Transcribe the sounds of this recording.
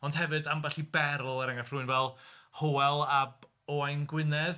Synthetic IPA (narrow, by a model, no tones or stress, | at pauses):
ɔnd̥hɛvɨdamvɛɬibɛɾl̩ˠəɾaŋafrʊɨnvɛlˠhoɛlˠab | oajnɡwɪnɛð